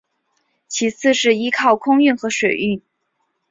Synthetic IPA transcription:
t͡ɕʰi˧˥t͡sʰɹ̩˥˧ʂɻ̩˥˩i˥kʰɑ˥˩ʊkʰʊ˥ŋy˥˩nxɤ˧˥ʂwe˨˩ɪy˥˩n

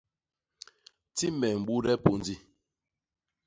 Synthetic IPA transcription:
ti˦mɛ˨m̩˨ɓu˦ɾɛ˦po˨n˨d͡zi˦

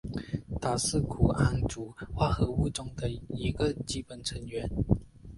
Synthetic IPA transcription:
t̪a˨˩sɹ̩˥˩kʰu˨˩a˥˩nʈ͡ʂu˨˥˦xwa˥˩xɤ˧˥u˥˩ʈ͡ʂʊ˥ŋd̪ə˨i˧˥ɡə˧˨t͡ɕi˥˩pə˨˩nʈ͡ʂʰə˧˥ŋɥɛ˧˥n

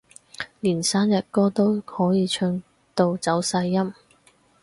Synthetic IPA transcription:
liː˨˩nsaː˥njɐ˨t̚kɔː˥t̪o˥whɔː˨˥jiː˨˧t͡ʃʰɵ˧˥ŋ | t̪o˧wt͡sɐ˨˥wsɐ˧jːɐ˥m

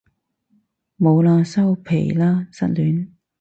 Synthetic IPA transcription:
mo˨˧wlaː˧sɐ˥wpʰḛ˨˩jlaː˥sɐ̰˥t̚lyː˨˥n

